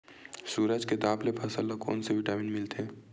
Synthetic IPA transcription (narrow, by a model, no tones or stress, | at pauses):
suːɾəd͡ʒket̪aːblepʰɐsəlːako̰ːnseʋɪʈaːmɪnmɪlt̪eɛː